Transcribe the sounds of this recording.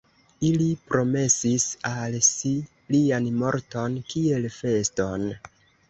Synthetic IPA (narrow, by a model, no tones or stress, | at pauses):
ilipɾo̞me̞sisalsi | lianmo̞ɾto̞nkie̞lfe̞sto̞n